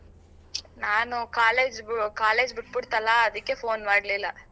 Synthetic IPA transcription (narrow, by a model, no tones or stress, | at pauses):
naːnukaːleːd͡ʒkaːleːd͡ʒbiʈ̚biɽt̪ɐlːaːd̪ɐkːe̞foːnmaːɖlilːɐ